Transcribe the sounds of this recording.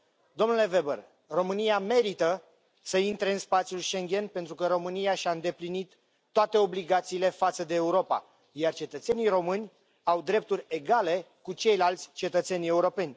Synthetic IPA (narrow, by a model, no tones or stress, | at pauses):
d̪o̞mnule̞ve̞bə̰r | ro̞mɨnijame̞ɾit̪ə | səint̪ɾeɨnspat̪sijulʃe̞ŋɡʲe̞npe̞nt̪ɾukəɾo̞mɨniaʃʲaɨnd̪e̞plinit̪ː | oat̪e̞o̞bliɡat̪siːle̞fat̪səd̪e̞ːuɾo̞pa̰ | jart͡ʃe̞t̪ət̪se̞niro̞mɨnʲ | awd̪ɾe̞p̚t̪urʲe̞ɡale̞ | kut͡ʃe̞jlalt̪sʲt͡ʃe̞t̪ət̪se̞nʲe̞uɾo̞pe̞nʲ